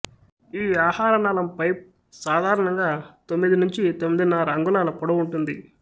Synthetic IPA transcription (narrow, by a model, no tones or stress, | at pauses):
iːaːhaːɾɐnaːlɐmpɐjp̚ | saːd̪ʱaːɾɐɳɐŋɡaːt̪o̞mːid̪inuɲt͡ʃit̪omːid̪inːɐɾɐŋɡulaːlɐpɔɽɐuɳʈund̪i